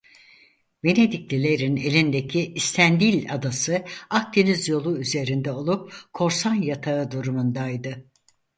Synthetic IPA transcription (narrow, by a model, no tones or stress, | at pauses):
ve̞ne̞d̪icʲlʲilʲe̞ɾine̞lʲind̪ecʰiʔist̪ʰænd̪ilʲad̪asɯak̚t̪ʰinizjo̞lˠuyze̞ɾind̪ɛo̞lˠup̚kʰo̞ɾsanjat̪ʰaɯd̪uɾumund̪ajd̪ɯ